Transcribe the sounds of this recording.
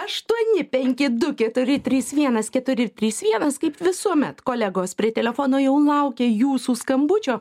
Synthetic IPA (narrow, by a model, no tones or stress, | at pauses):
ɐʃt̪uɔnʲɪpʲɛŋʲkʲɪd̪ʊkʲɛt̪ʊɾʲɪt̪ʲɾʲiːsʋʲiɛnɐskʲɛt̪ʊɾʲɪt̪ʲɾʲiːsʋʲiɛnɐskɐɪpʋʲɪsuɔmʲɛt̪koːlʲæɡoːspʲɾʲiɛt̪ʲɛlʲɛfoːnoːjɛʊlˠɐʊkʲeːjuːsuːskɐmbʊt͡ʃʲoː